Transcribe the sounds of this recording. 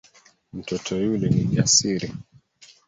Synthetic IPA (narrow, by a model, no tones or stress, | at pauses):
m̩tɔtʰɔjulɛniʄasiɾi